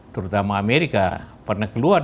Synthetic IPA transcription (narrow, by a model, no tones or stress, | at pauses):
t̪əɾut̪amaːmeɾika̰pərnakəluar